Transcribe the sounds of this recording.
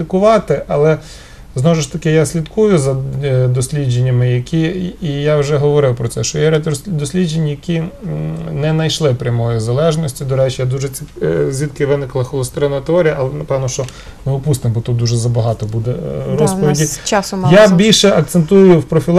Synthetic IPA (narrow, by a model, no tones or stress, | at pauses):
t̪ɪkʊʋɑt̪ɪʔɐlˠɛ | znɔɔʒɪʃt̪ɐkɪjasʲlʲid̪kujʊzɐd̪ɔsʲlʲid͡ʒenʲːɐmɪjɐkʰʲiːjawʒɛɦɔʋɔɾɪwpɾɔt̪sɛʃt͡ʃɔjɛɾʲɛtʲɾɔd̪ɔsʲlʲid͡ʒenʲːijɐkʰʲi | nɛnɐjʃlˠɪpɾʲɐmɔjizɐlˠɛʒnɔsʲtʲid̪ɔɾɛt͡ʃɪjad̪uʒɛizʲʋʲit̪kɪʋɪnɪklˠɐxɔlˠʊst̪ɾɪnɐjɐt̪ɔɾʲijɐʔɐlˠɛnɐpɛʋnɔʃt͡ʃɔ | nɛɔpust̪ɪmbɔt̪ud̪uʒɛzɐbɐɦɑt̪ɔbud̪ɛɾɔspɔʋʲidʲit͡ʃasʊjabʲilʲʃɛɐk̚t̪sent̪ujʊwpɾɔfʲilˠ